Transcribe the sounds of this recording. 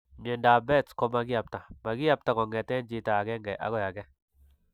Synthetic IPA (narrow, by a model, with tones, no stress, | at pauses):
ɲɛ˨nda˨bɛ˦˨tkɔ˦ma˦ɡa˨p̚ta˨ma˨ɡɪ˦ja˦p̚ta˨kɔ˨ŋɛ˨tɛ˦nd͡ʒi˦ta˨ɡɛ˦ŋɡɛ˨ʔa̰˦ɡɔ˦ja˨ɡɛ˦